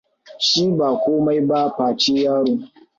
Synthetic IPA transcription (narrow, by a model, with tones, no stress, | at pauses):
ʃiː˦baː˨kʷoː˦ma˦jba˦ɸaː˨t͡ʃeː˦jaː˦ɽuː˦